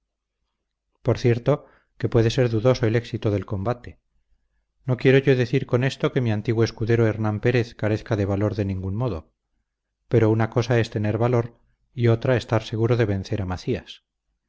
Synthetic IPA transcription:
po̞ɾθje̞ɾt̪o̞ | ke̞pwe̞ðe̞se̞ɾðuðo̞so̞e̞le̞ksit̪o̞ðe̞lko̞mbat̪e̞ | no̞kje̞ɾo̞ʝo̞ðe̞θiɾko̞ne̞st̪o̞ke̞miant̪iɣwoeskuðe̞ɾoeɾnampe̞ɾe̞θkaɾe̞θkaðe̞β̞alo̞ɾðe̞nĩŋɡunmo̞ðo̞̰ | pe̞ɾo̞unako̞saest̪e̞ne̞ɾβalo̞ɾ | io̞t̪ɾae̞st̪aɾse̞ɣ̞uɾo̞ðe̞βẽ̞nθe̞ɾamaθias

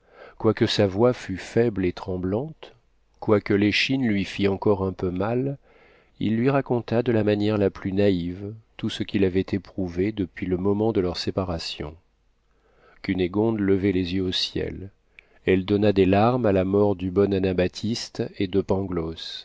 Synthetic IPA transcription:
kwakəsavwafyfɛblet̪χɑ̃blɑ̃t̪ | kwakəleʃinlɥifiɑ̃kɔʁɛ̃pømal | ḭlːɥiʁakɔ̃t̪ad̪əlamanjɛʁlaplynaivt̪usəkʲilavɛt̪epχuved̪əpɥiləmɔmɑ̃d̪əlœʁsepaʁasjɔ̰̃ | kyneɡɔ̃d̪ləvɛlezjøosjɛ̰l | ɛld̪ɔnad̪elaʁmalamɔʁd̪ybɔnanabat̪ʰist̪ed̪əpɑ̃ɡlɔs

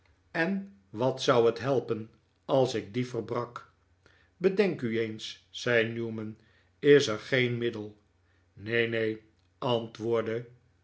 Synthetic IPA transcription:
ɛn | ʋɑtsʌwətɦɛlˠpən | ɑlˠsɪk̚difəɹbrɑk | bədɛŋkyejnsːɛjnjuːmən | ɪsəɹχejnmɪdəlˠ | nejnej | ɑntʋʊːɹdə

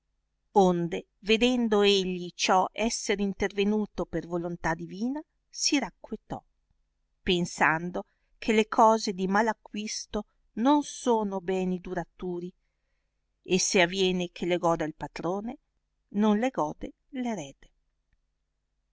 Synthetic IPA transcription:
ond̪e | ved̪ɛnd̪oeʎːit͡ʃɔʔɛsːeɾint̪ervenuːt̪opervolont̪ad̪iviːna | siɾakːwet̪ɔ̰ | pensand̪o | kʰelekʰɔːzed̪imalakːwist̪o | nonsoːnobɛːnid̪uɾat̪uːɾi | eseavːjɛːnekʰeleɡɔːd̪ealpat̪ɾoːne | nonleɡɔːd̪e | leɾɛːd̪e

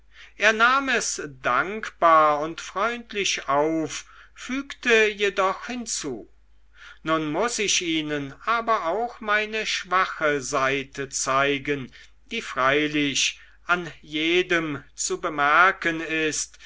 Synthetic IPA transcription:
ʔeːɐnaːmɛsd̥aŋkb̥aːɐʊntfʁ̥ɔʏntʰlɪʃaʊfːyːktəjedɔχhɪnt͡suː | nʊnmʊsɪʃʔiːnənʔaːbɐʔaʊxmaɪnəʃv̥aχəzaɪtʰət͡saɪɡən | d̥iːfʁ̥aɪlɪɕ | ʔanjeːdəmt͡subəmɛɐkənɪst

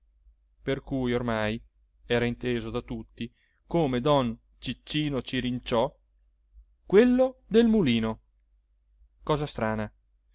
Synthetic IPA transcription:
perkujormaj | ɛːɾaint̪eːzod̪at̪ut̪ːi | koːmed̪ɔn | t͡ʃit͡ʃːiːnot͡ʃiɾint͡ʃɔ | kwelːod̪elmuliːno | kɔːzast̪ɾaːna

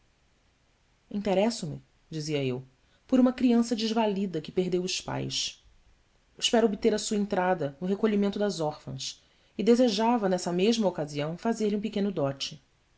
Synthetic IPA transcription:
ĩnt̪eɾɛsʊmɪ̰ | d͡ʒiziɐew | poɾũmɐkɾiɐ̃sɐd͡ʒɪʒvalid̪ɐkɪpeɦd̪ewʊʃpa̰js | ɪʃpɛɾʊobit̪eɾɐsuɐẽnt̪ɾad̪ɐnʊɦekoʎimẽnt̪ʊd̪ɐzɔχfɐ̰̃s | ɪd̪ezeʒavɐnɛsɐmeʒmɐokaziɐ̃w̃fazeɾliũpɪkẽnʊd̪ɔt͡ʃɪ

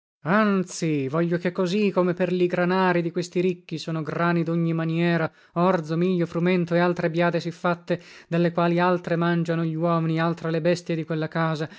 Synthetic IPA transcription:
ant̪sivɔʎːokekːozikomeperʎiɡɾanaːɾid̪ikwest̪iɾikːisoːnoɡɾaːnid̪oɲːimanjɛːɾa | ɔrd̪zomiʎːofɾumɛnt̪oealt̪ɾebjaːd̪esifːat̪ːed̪elːekwaːlialt̪ɾemand͡ʒanoʎiwɔːminialt̪ɾelebɛst̪jed̪ikwelːakaːza

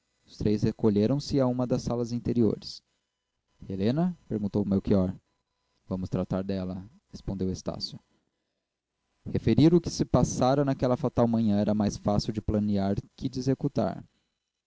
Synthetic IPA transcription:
ʊst̪ɾejshekoʎeɾɐ̃w̃sɪaũmɐd̪ɐsːalɐzĩnt̪eɾio̰ɾɪs | helẽnɐpeɾɡũnt̪owmewkiɔɾ | vɐ̃mʊst̪ɾat̪aɾd̪ɛlɐ | hespõnd̪ewest̪a̰sjʊ | hefeɾiɾʊkɪ̥sɪpasaɾɐnakɛlɐfat̪awmɐ̃ɲɐ̃ɛɾɐmajsfasiwd͡ʒɪplɐniaɾkɪd͡ʒezekut̪a̰ɾ

